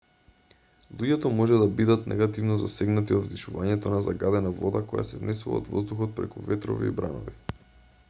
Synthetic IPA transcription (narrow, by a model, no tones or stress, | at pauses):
lˠuɟɛt̪ɔmɔʒɛd̪abid̪at̪nɛ̰ɡat̪ivnɔzasɛɡnat̪iod̪vd̪iʃuvaɲɛt̪ɔnazaɡad̪ɛnavɔd̪akɔja̰sɛvnɛsuvlˠa̰o̰d̪vɔzd̪uxɔt̪̚pɾɛkuvɛt̪ɾɔ̰vḭḭbɾa̰nɔ̰vi